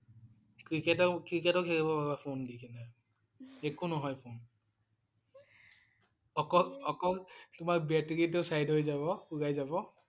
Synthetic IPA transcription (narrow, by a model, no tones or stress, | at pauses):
kɹiketɔkɹiketɔkʰeɹibɔbabapʰondikʰinɛ | ekunɔɦɔjpʰon | ɔkɔlɔkɔltʊmakbɛteɹitesajdɦojzabɔuɡajzabɔ